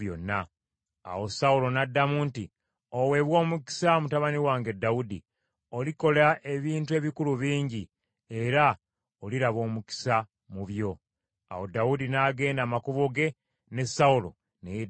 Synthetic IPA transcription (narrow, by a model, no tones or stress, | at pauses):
jo̰nːa̰ː | wo̞saulo̞nadːamunti | owe̞βwo̞ːmuki̥samutaβaniwaːŋɡe̞dːaudi | oliko̞laʔe̞βiːntue̞βikuluβiːɲɟi | e̞ɾa | oliɾaβo̞ːmuki̥sa | muβjo̞ | a̰wo̞daudinaːɡe̞ːndaːmakuβoɡe̞ | ne̞saulo̞̰ | neje